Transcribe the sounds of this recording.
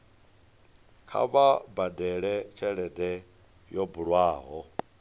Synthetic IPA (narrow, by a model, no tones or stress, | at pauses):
kʰa̰βabadɛɺɛt͡ʃʰɛɺɛdɛ | jɔbuɺwaːɦɔ